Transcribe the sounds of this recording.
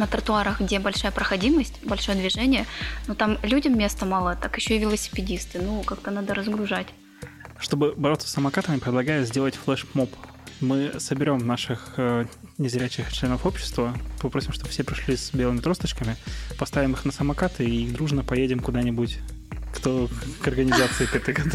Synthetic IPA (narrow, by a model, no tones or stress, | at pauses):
nət̪əɾət̪ʊaɾəxɡdʲebɐlʲʂajəpɾəxɐdʲiməsʲtʲbɐlʲʂo̞jəd̪vʲɪʐɛnʲɪjənut̪amlʲudʲəmːʲe̞st̪əmalˠət̪akjɪɕːoivʲɪlˠəsʲɪ̥pʲɪdʲist̪ɨnukakt̪ənad̪əɾəzɡɾʊʐatʲ | ʂt̪obɨbɐɾo̞t̪sə̥sːəmɐkat̪əmʲɪpɾʲɪd̪lˠɐɡajɪt̪zʲdʲe̞lˠətʲflˠɛʂmop | mɨsəbʲɪɾʲo̞mnaʂɨxənʲɪzɾʲæt͡ɕɪxt͡ɕlʲe̞nəfo̞pɕːɪ̥st̪vəpɐpɾosʲɪmʂt̪o̞bə̥fsʲepɾʲɪʂlʲisbʲelˠɨmʲɪt̪ɾo̞st̪ət͡ɕkəmʲɪpɐst̪avʲɪmɨxnəsəmɐkat̪ɨiid̪ɾuʐnəpɐjedʲɪmkʊd̪anʲɪbutʲkt̪okɐrɡənʲɪzat̪sɨɪkɛt̪əkɐt̪